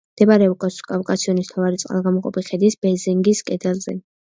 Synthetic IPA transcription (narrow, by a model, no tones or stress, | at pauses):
md̪̥ɛbaɾɛukʼaskʼavkʼasiɔnist̪ʰavaɾit̪sʼqʼa̰lˠɡamɔqʼɔ̰pʰiχɛd̪isb̥ɛzɛŋɡiskʼɛd̪ɛlzɛ̰